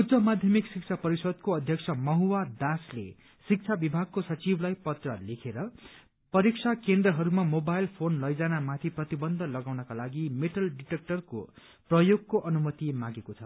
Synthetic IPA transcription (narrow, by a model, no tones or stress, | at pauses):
udd͡zʌmad̪ʱjʌmiksik̚t͡sʰapʌɾisʌd̪̚koʌd̪ʱjʌkt͡sʰʌmʌɦuwad̪aslḛ | sik̚t͡sʰabibʱaɡ̚kosʌt͡siblajpʌt̪rʌlekʰeɾʌ | pʌɾiksʰakend̪rʌɦʌɾumamobajlpʰonlʌjd͡zanamat̪ʰiprʌt̪ibʌnd̪ʱʌlʌɡawnʌkalaɡimeʈʰʌlɖiʈek̚ʈʌrko̰ | prʌjoɡkoʔʌnumʌt̪imãɡekot͡sʰʌ